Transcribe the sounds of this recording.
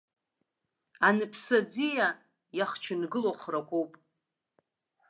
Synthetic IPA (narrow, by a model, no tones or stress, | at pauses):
anɨpʰsad͡zija | jaχt͡ʃʰɪnɡɨloχrakʷowpʼ